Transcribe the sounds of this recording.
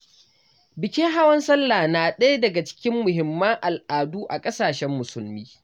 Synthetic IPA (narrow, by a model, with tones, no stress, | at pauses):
bɪ˨kʲe˦ɦa˦wɐ˦nsɐ˦lːa˨naː˨ɗɐ˦ja˦dɐ˨ɡa˨t͡ʃɪ̥˦kʲɪ˦mːʊ˨ɦɪ˨mːɐ˦ŋʔa˨lʔaː˨duː˦ʔa˨kʼɐ˦saː˨ʃɛ˦mːʊ˨sʊ˨lmiː˦